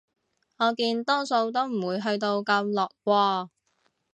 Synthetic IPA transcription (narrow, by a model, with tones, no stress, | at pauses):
ŋɔː˨˧kiː˧nt̪ɔː˥ŋso˧wt̪̬o˥wm̩˨˩wuː˨˧jɦɵ˧ɥt̪o˧wkɐ˧mlɔː˨k̚kʷɔː˧